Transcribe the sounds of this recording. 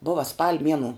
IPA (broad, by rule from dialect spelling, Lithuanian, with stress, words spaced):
ˈboːʋɐ spɐlʲ ˈmʲiɛnʊ